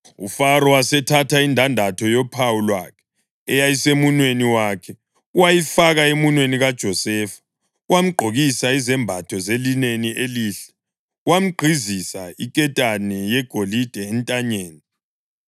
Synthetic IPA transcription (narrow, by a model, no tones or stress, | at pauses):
ufaɾɔwasɛtʰatʰaindʱandʱatʰɔjɔpʰawulwakʰɛ̥ | ɛjajisemunweniwaːkʰɛ | uwajifaɣaemunweniɣad̥ʒ̥ʱɔsɛːfḁ | uwam̩ɡ͡ǃʱoɣisaizɛmbʱatʰɔzelineniʔeliːɬɛ̥ | uwam̩ɡ͡ǃʱizisaikʼɛtʼanɛjɛɡ̥ʱolid̥ʱɛːntʼaɲeːni